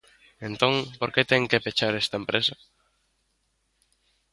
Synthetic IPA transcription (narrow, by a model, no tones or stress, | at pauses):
ent̪õŋpoɾket̪eŋkepet͡ʃaɾest̪aempɾesa